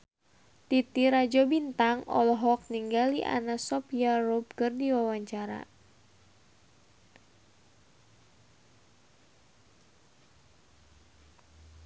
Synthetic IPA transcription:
t̪it̪iɾad͡ʒɔbint̪aŋɔ̰lɔɦɔk̚niŋɡaliʔa̰nasɔpiarob̚kɨrdiwawaɲt͡ʃaɾa̰

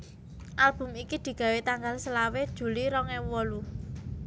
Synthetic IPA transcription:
ʔalb̥ʊ̤mikid̪̥i̤ɡ̥a̤wet̪aŋɡalsəlawed̥ʒ̥ṳliɾɔŋɛwɔlu

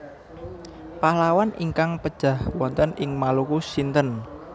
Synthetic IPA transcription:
pahlawanʔḭŋkaŋpəd̥ʒ̥a̤hwɔnt̪ənɪŋmalukusint̪ən

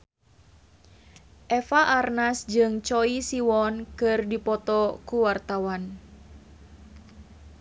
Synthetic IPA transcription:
ʔɛfaʔarnasd͡ʒɨŋt͡ʃɔisiwɔnkɨrdipɔt̪ɔkuwart̪awan

